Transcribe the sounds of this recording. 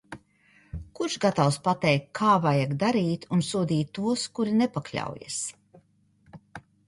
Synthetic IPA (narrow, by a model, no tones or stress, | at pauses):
kuɾʃɡat̪awspat̪ɛjkːʰaːvajaɡd̪aɾiːt̪unsuɔd̪iːt̪ːuɔskuɾinɛpaklʲa̰wja̰s